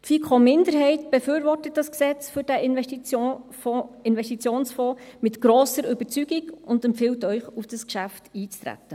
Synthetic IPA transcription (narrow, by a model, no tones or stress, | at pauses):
tfikʰχomɪndəɾɦɛɪtb̥efyːɾʋɔrtət̚dɑsksɛt͡sfʏɾd̥æʔɪnɛʃi | ɪnvɛstit͡sjoːnsfɔːmɪtɡ̥ɾoːsəɾʏbəɾt͡syɡiɡʊndɛmpfɪltœʏχufd̥ɑskʃæftiːt͡st̪ɾæ̰tːə